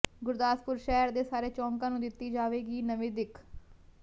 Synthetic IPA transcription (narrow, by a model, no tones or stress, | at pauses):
ɡʊɾd̪aːspʊɾʃɛːɾd̪eːsaːɾeːt͡ʃɔ̃ːŋkãːnũːd̪ɪt̪ːiːd͡ʒaːʋeːɡiːnəʋẽːd̪ɪkʰ